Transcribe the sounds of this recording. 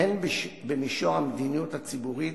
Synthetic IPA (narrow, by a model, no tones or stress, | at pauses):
enbbemiʃoʁamed̪inijuthat͡sibuʁit